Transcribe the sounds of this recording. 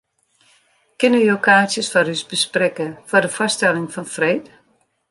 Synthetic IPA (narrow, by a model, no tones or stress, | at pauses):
kɪnyokʰaːsjəsfɔɾysbəsprɛkəfɔrdəfɔstɛlɪŋfɔnfreːt